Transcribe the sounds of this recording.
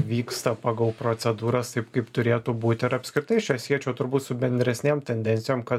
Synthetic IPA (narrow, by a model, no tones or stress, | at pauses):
ʋʲiːkst̪ɐpɑːɡɐlˠpɾoːt̪sʲɛd̪uːɾɐst̪ɐɪpkɐɪpt̪ʊɾʲeːt̪uːbuːt̪ʲɪɾɐpʲsʲkɾʲɪt̪ɐɪʃt͡ʃʲɛsʲiɛt͡ʃʲɛʊt̪ʊɾbuːt̪sʊbʲɛnʲd̪ʲɾʲɛsʲnʲeːmt̪ʲɛnʲd̪ʲɛnʲtsʲɪjoːmkɐt̪